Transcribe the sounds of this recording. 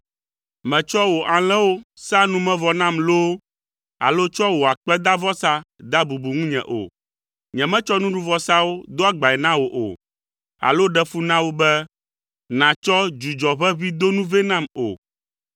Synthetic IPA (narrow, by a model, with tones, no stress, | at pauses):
mɛ̃˨t͡ʃɔ˦wo˨ʔa˨l̃ɛ̃˦wo˦sa˦nũ˦mɛ̃˦vɔ˨nã˦mlo˦ | a̰˨lo˦t͡ʃɔ˦wo˨a˨k͡pɛ˦d̪a˦vɔ˦sa˦d̪a˦bu˨bu˨ŋũ˦ɲɛ̰̃˨ʔo̰˨ | ɲɛ̃˨mɛ̃˦t͡ʃɔ˦nũ˦ɖu˦vɔ˦sa˦wo˦d̪o˦a˦ɡ͡ba˨ɛ˨nã˦wo˨ʔo̰˨ | a̰˨lo˦ɖɛ˦fu˦nã˦wo˦bɛ˦ | nã˨t͡ʃɔ˦d͡ʒu˨d͡ʒɔ˨βɛ˦βi˦d̪o˦nũ˦vɛ˦nã˦mo̰˨